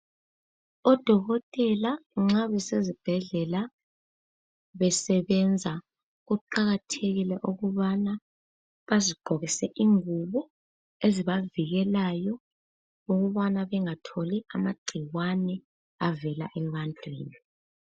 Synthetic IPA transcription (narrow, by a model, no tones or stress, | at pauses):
ɔd̥ʱɔɣɔtʼɛlaŋ͡ǁaβɛsezib̥ʱɛɮɛla | βɛsɛβɛnd͡zʱa | ɣuǃaɣatʰeɣilɛʔuɣuβana | βaziɡ͡ǃ̥ʱɔɣisɛʔiŋuβɔ | eziβaviɣɛlajɔ | uɣuβanaβɛŋatʰoliamaɡ͡ǀʱiwanɛ | avɛla̰ʔɛβantʼwḭːni